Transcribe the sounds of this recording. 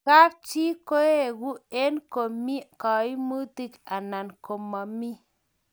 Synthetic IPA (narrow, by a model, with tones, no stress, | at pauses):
ka˦k̚t͡ʃi˦ko˦e˦˨ɡu˦e˦nko˨mi˦kɔ˨i˦mu˦t̪i˦ka˨na˨nko˨ma˨mi˦